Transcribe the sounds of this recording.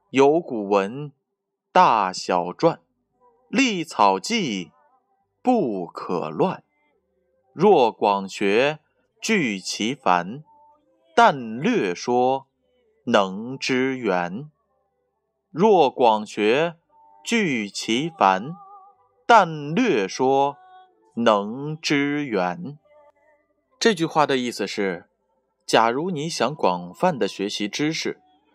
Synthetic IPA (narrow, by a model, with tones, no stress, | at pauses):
jo˧˥ʊku˨˩wə˧˥n | t̪a˥˩ɕjɑ˨˩ʊʈ͡ʂwa˥˩n | li˥˩t͡sʰɑ˨˩ʊt͡ɕi˥˧ | pu˥˩kʰɤ̰˨˩lwa˥˩n | ɻwɔ˥˩kwɑ˨˩ŋɕɥɛ˧˥ | t͡ɕy˥˩t͡ɕʰi˧˥fa̰˧˥n | t̪a˥˧nlɥɛ˥˩ʂwɔ˥ | nɤ˧˥ŋʈ͡ʂɻ̩˥ɥɛ˧˥n | ɻwɔ˥˩kwɑ˨˩ŋɕɥɛ˧˥ | t͡ɕy˥˩t͡ɕʰi˧˥fa˧˥n | t̪a˥˧nlɥɛ˥˩ʂwɔ˥ | nɤ˧˥ŋʈ͡ʂɻ̩˥ɥɛ˧˥n | ʈ͡ʂɤ˥˧t͡ɕy˥˧xwa˥˩d̪ə˩i˥˩s̩˩ʂɻ̩˥˩ | t͡ɕja˨˩ɻu˧˥ni˧˥ɕjɑ˧˥ŋkwɑ˨˩ŋfa˥˩nd̪ə˩ɕɥɛ˧˥ɕi˧˥ʈ͡ʂɻ̩˥ʂɻ̩˥˩